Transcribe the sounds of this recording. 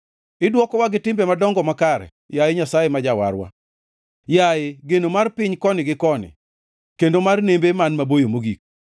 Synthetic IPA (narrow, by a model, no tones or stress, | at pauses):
ɪdwɔkɔwaɡɪtɪmbemadɔŋɡɔmakaɾɛ̰ | jajɪɲasajemad͡ʒawa̰rwa̰ | jajɪɡenomarpɪɲkɔnɪɡɪkɔnɪ̰ | kendomarnembemanmabojomoɡik̚